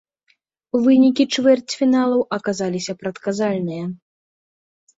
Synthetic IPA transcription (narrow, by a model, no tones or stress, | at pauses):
uvɨnʲikʲit͡ʂvɛrt͡sʲfʲinalˠɐwʔɐkazalʲisʲɐpɾɐt̪kazalʲnɨjɐ